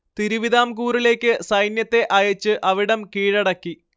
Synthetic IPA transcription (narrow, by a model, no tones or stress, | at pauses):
t̪iɾuʋiðaːmkuːrile̞ːkʲːɨsɐjnjɐt̪ːe̞ʔɐjɐt͡ɕːɨʔɐʋiɽɐmkiːɻɐɽɐkːi